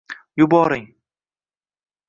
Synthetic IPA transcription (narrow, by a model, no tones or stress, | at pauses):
jʊbɒɾɪŋ